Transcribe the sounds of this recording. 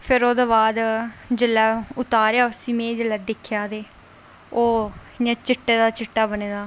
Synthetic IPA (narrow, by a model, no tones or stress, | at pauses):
pʰɪɾoːd̪aːbaːd̪d͡ʒəlːɛːʊt̪aːɾjaːsiːmẽːd͡ʒəlɛːd̪ɪkʰjaːd̪eː | oː | jãːt͡ʃɪʈːeːd̪aːt͡ʃɪʈːaːbəneːd̪aː